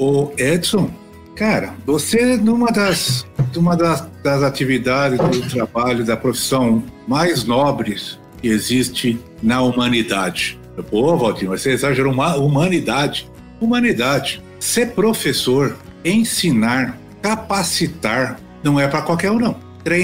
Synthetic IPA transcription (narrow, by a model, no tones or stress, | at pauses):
oɛd̪sõ | kaɾɐ̰vosenũmɐd̪ɐsnũmɐd̪ɐsd̪ɐzat͡ʃivid̪ad͡ʒɪzd̪ʊt̪ɾabaʎʊd̪ɐpɾofi̥sɐ̃w̃majznɔbɾɪs | kɪezist͡ʃɪ̃ | nɐumɐ̃nid̪ad͡ʒɪ | boɐvawd͡ʒ̪ĩvoseezaʒeɾoumɐumɐ̃nid̪ad͡ʒɪ | umɐ̃nid̪ad͡ʒɪ | sepɾofesoɾ | ẽsinaɾ | kapasit̪aɾ | nɐ̃w̃ɛpɾɐkwawkɛɾonɐ̃w̃ | t̪ɾẽ